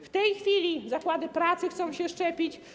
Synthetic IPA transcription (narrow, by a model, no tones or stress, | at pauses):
ft̪ɛjxfʲilʲizakwad̪ɘpɾat̪sɘxt̪sɔ̃w̃ɕɛʂt͡ʂɛpʲit͡ɕ